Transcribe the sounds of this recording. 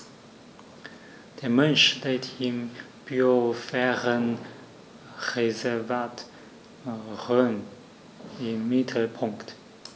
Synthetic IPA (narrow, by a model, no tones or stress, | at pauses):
d̥eːɐmɛnʃteɪtim | b̥yofɛːʁən | ʁezɛɐvaːt | ʁøn | ɪmːɪtʰl̩pʰʊŋkt